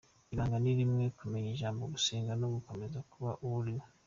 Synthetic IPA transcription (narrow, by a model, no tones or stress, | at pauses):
iɾaːŋɡaniɾimŋekumeɲeʒaːmbo̞ɡuseːŋɡanoɡuko̞me̞zakuβaʔuljo